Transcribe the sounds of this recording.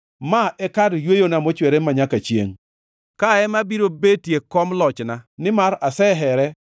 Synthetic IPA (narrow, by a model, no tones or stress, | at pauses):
maʔɛkadjwejonamot͡ʃweɾemaɲakat͡ʃjḛŋ | kaɛmabiɾobetjekɔmlɔt͡ʃnanɪmaɾasɛɦɛɾɛ